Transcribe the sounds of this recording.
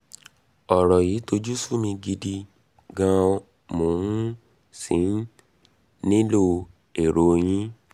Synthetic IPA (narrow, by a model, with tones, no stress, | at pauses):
ɔ˨ɾɔ˨jiː˨˦to˧d͡ʒu˦su˦mĩ˧ɡi˧di˧ | ɡã˧˦˧ | mo˨hũ˦ | sĩ˨˦n˦ | nĩ˦lo˦ | e˨ɾo˨˦j̃ĩ˦